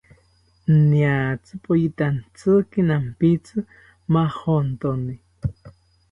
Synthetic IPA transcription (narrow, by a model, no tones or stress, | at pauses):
njat͡sɨpʼojit̪ant͡sɨkinampit͡sɨ | mahont̪oni